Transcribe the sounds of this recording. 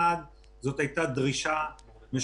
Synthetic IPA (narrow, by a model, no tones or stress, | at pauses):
ad | zo̞t̪hajt̪ad̪ʁiʃa | me